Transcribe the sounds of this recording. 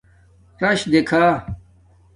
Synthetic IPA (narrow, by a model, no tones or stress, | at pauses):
ɾɐɕd̪ekʰaː